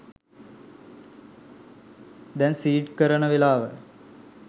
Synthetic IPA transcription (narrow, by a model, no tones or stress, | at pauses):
d̪ɛnsiːʈkəɾənəʋelaːʋə